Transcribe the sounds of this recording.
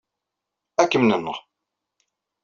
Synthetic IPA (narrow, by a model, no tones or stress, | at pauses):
ækːəmnənːəʁ